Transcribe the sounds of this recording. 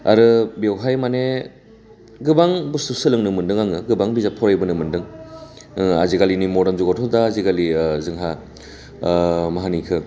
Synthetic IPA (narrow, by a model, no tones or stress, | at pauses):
a̰ɾɯbewɦajmane | ɡɯbaŋbustusɯlɯŋnɯmɯndɯŋaŋɯɡɯbaŋbizapʰɔɾajbɯnɯmɯndɯŋ | a̰ziɡalinimɔdanzuɡatʰɔdaːziɡalizɯŋɦa | maɦanikʰɯ